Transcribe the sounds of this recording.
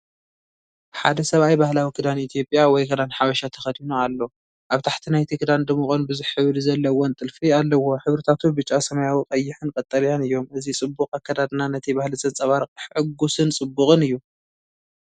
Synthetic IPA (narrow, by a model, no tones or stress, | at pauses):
ħa̰d̪ɐsɐβajbahlawikʰɨd̪anit̪ʰjo̞pʼjawɔjkʰɨd̪anħaβɐʃat̪ʰɐxɐd̪inoalːo̞ | ʔaβt̪ʰaħt̪ʰinajt̪ʰikʰɨd̪and̪ɐmɨxʼonbɨzɨħħɨβd̪zɐlːɐwont̪ʼɨlfialːɐwo̞ħɨβɾɨt̪ʰat̪ʰubɨt͡ʃʼːasɐmɐjawikʼɐjːɪħɨnkʼɐt̪ʼɐɾjanɨjːo̞mɨzit͡sʼɨbːukʼakːɐd̪ad̪nanɐt̪ʰibahlɨzɐnt͡sʼɐβaɾkʼɨħħɨɡːusɨnt͡sʼɨbːuχʼɨnɨjːu